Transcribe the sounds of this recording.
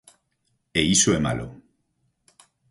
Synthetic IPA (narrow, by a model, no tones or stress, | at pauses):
eisoema̰lo̰